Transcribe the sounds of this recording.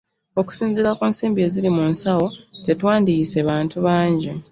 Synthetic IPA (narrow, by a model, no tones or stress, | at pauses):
o̞ku̥siːnziɾakuːnsiːmbie̞ːzilimuːnsawo̞te̞twaːndiseβaːntuβaːɲɟe